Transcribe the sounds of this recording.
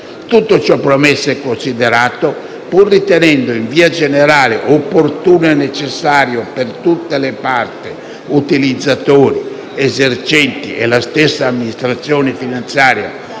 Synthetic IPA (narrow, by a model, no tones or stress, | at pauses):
t̪ut̪ːot͡ʃɔpːɾomesːɛkːonsid̪eɾaːt̪o | purːit̪enɛnd̪oiɱviːad͡ʒeneɾaːleʔopːort̪uːnoenːet͡ʃesːaːɾjopert̪ut̪ːelepart̪e | ut̪ilid̪zːat̪oːɾi | ezert͡ʃɛnt̪ḭʔḛlast̪esːaːmːinist̪ɾat̪sːjɔːnefinant̪sjaːɾja̰